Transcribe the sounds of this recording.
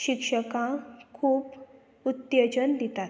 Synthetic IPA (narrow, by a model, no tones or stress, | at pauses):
ɕikʂəkãkʰuːp | ut̪jəd͡ʑənd̪it̪at̪